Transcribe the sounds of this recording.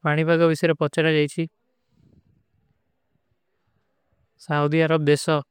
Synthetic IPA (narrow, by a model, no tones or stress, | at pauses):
paɽ̃ibʱaɡɔbisɔjɾepɔt͡ʃaɾad͡ʒajt͡ʃʰi | saud̪iaɾɔb̚d̪esɔ